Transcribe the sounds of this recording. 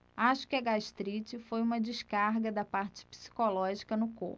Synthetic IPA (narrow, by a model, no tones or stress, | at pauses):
aʃʊ̥kɪɐɡaʃt̪ɾit͡ʃɪfojũmɐd͡ʒiʃkaɾɡɐd̪ɐpaɾt͡ʃɪ̥pi̥si̥kolɔʒikɐnʊko̰